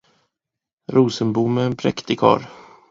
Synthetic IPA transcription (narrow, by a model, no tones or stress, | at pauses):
ɾuːsənbuːmɛːnpʰɾɛkt̪ɪkʰɑ̰ːɾ